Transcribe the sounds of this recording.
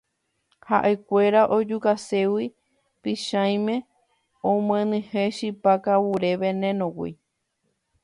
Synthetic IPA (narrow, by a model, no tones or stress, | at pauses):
haʔe̞kʷe̞ɾaʔod͡ʒukase̞wi | piʃãj̃mẽ̞ | õmẽnɨ̃hẽʃipakawuɾe̞ʋenẽnõwḭ